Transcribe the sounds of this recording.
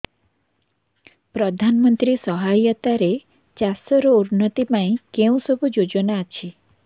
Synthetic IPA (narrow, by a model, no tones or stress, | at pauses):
pɾɔd̪ʱanmənt̪ɾisɔɦajət̪aɾe | t͡ʃasɔɾouɾnət̪ipãĩkeũsɔbʱud͡ʒod͡ʒɔnat͡ʃʰi